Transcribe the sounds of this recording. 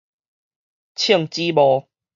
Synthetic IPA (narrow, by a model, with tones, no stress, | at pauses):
t͡ɕʰi˥˨ŋt͡ɕi˦bɔ˨˦